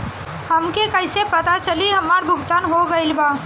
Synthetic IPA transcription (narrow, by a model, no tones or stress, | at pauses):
hɐmkekɐɪsepɐt̪at͡ʃɐliɦɐmaːɾbʱʊɡt̪aːnɦoɡɐɪlbaː